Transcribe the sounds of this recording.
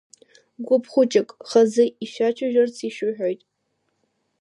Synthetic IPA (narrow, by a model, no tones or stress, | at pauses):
ɡʷʊpʰχʷʊt͡ʃʼɪkʼχazɨiʃᶣat͡ʃʰaʒᶣart͡sʰiʃʊħᶣojtʼ